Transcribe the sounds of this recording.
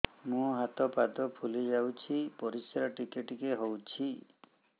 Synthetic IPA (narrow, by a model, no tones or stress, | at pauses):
mũɦat̪ɔpad̪ɔpʰulid͡ʒawt͡ʃʰipɔɾisaɾɔʈikeʈikeɦowt͡ʃʰi